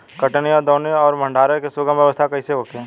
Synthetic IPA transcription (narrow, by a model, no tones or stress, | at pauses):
kɐʈnejãd̪ɔːneɔːɾmə̃ɳɖʱaːɾekesʊɡəmjɐʋəst̪ʰakɐiseɦoːk̪e